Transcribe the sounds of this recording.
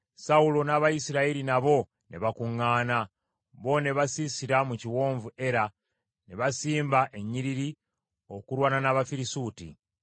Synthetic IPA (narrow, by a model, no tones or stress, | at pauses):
saulo̞naβajisiɾaiɾinaβo̞ | ne̞̰βakuŋːaːna | βo̞ne̞βasisiɾamuciwo̞ːɱvue̞ɾa | neβasiːmbaʔe̞ɲːiɾiɾi | o̞kuɾwaːnanaβafiɾisuːtḭ